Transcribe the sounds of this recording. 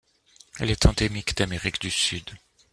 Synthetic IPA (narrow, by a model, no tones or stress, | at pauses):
ɛlɛt̪ʰɑ̃d̪emikd̪ameʁikd̪ysyd̪